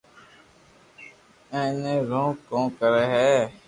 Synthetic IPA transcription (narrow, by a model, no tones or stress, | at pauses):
ẽːnẽːɾõːkõːkəɾeːɦɛː